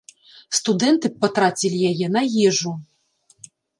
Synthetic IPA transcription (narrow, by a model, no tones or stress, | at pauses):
st̪ud̪ɛnt̪ɨpːɐt̪ɾat͡sʲilʲijajɛnɐjɛʐu